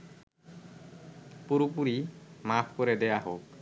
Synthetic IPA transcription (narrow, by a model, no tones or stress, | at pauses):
puɾupuɾimapʰkɔɾɛdɛjaɦok̚